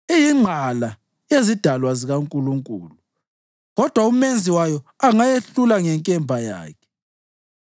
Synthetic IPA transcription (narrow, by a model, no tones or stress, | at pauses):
ijiŋ͡ǃʱala | ezid̥ʱalwaziɣaŋkʼuluŋkʼṵːlu | ɣɔd̥ʱwaum̩mend͡zʱiwajɔaŋajeɬulaŋɛŋkʼɛmbʱaja̰ːkʰɛ̥